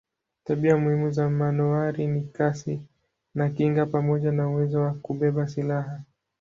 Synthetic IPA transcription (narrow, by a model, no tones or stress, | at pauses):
taɓiamuhimuzamanuaɾinikasi | nakiŋɡapamɔʄanauwɛzɔwakuɓɛɓasilaɦa